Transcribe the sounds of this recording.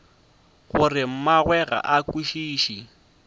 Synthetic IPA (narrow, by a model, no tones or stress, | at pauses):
ɣʊrɪm̩maɣwɛɣa̰ʔakiʃiːʃi